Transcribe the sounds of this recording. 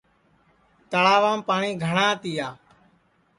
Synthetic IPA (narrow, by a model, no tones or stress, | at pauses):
t̪əɭaːʋaːmpaːɳiːɡʱəɳãːt̪iːjaː